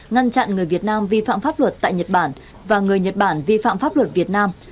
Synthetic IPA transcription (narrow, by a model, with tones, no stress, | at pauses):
ŋa˧nt͡ɕa̰˧˨nŋɨ˨˩əjvi˨˩ət̚naː˧mvi˧fa̰ː˧˨mfaː˦˥p̚lwə˨˩t̚t̪a̰ː˧˨jɲə˨˩t̚ɓaː˧˩n | vaː˨˩ŋɨ˨˩əjɲə˨˩t̚ɓaː˧˩nvi˧fa̰ː˧˨mfaː˦˥p̚lwə˨˩t̚vi˨˩ət̚naː˧m